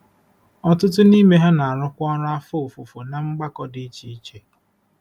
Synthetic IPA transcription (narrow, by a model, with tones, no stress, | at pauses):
ɔ˦tʊ˦t̬ʊ˦ni˦me˦ɦe˦na˨a˨ɾʊ˦kʷɔ˦ɾʊ˦a˦fo˦o˨fʊ˨fo˨na˨ŋ͡m̩˦ɡ͡ba˦kɔ˦dɪ˦i˦t͡ʃi˦i˦t͡ʃe˨